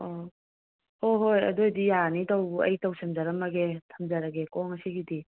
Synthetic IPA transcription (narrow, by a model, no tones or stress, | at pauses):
ɔ | hoɦojɐ̰dojdijanitɐwɐ̰jtɐwsɐmzaɾɐmɐɡetʰɐmzaɾɐɡekɔŋɐsiɡidi